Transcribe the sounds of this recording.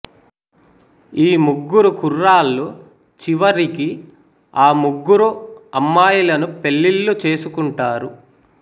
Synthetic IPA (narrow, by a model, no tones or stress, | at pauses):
iːmuɡːuɾukurːaːlːu | t͡ʃiʋɐɾiki | aːmuɡːuɾuɐmːaːjulɐnupe̞lːilːut͡ʃe̞ːsukuɳʈaːɾu